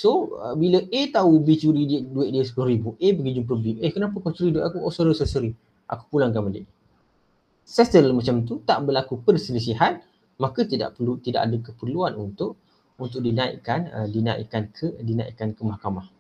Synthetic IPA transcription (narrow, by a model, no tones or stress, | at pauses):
soə̰biləʔet̪aubit͡ʃuɾiddueʔ̚diəsə̥pulaɾibuʔepəɡid͡ʒʊŋpɾobiehkənap̬əkalt͡ʃuɾidueʔakuʔoʔsəɾəsəsəɾi | ʔa̰ku̥pulaŋkamalɪ̰ʔ | sɛst̪əlmat͡ʃamt̪ut̪aʔbəlakupərsələs̬iɦan̚ | makət̪ida̰ʔpəlut̪ida̰ʔa̰dəkəpərluanunt̪ʊʔ | unt̪ʊʔ̚dinaḭʔkanə̰dina̰ḭʔkankʰədina̰ḭʔkankəmahkamah